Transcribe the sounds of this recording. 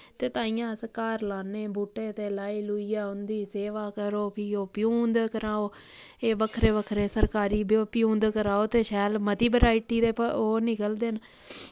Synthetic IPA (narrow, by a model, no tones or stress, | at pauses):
t̪eːt̪ãːijãːsəkaːɾlaːneːbuːʈːeːt̪eːlaːiːluːiːaːʊnd̪iːseːʋaːkəɾoːpʰiːoːpɪjũːnd̪kəɾaːoː | eːʋəkʰɾeːʋəkʰɾeːsəɾkaːɾiːbpɪjũːnd̪kəɾaːoːt̪eːʃɛːlmət̪iːbəɾaːiʈiːd̪eːpəoːnɪkəld̪eːn